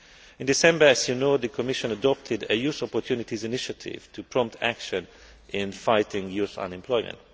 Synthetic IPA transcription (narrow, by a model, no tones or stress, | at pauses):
ɪ̃ndisɛ̃mbə˞æzjunoʊd̪əkʰɔmɪʃə̃nədɔp̚tʰɪdəjuːsɔpɔtʰjuːnɪtizɪnɪʃətʰɪ̰v̥tʰupʰɹ̥ɔ̃mp̚tʰæ̰kʃə̃n | ʔɪ̃nfaɪtɪ̃ŋjusʌ̰̃nɛ̃mpʰlɔjmɛ̰̃nt